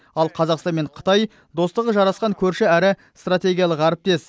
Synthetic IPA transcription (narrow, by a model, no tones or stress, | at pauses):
ɑlˠqʰɑzɑqst̪ɑnme̞ɴqʰə̥t̪ɑj | d̪o̞st̪əʁəʒɑɾɑsqɑŋkʲʰɵɾʃɪæɾɪ | st̪rat̪ʲe̞ɡʲijɑlˠəqæɾɪp̚t̪e̞s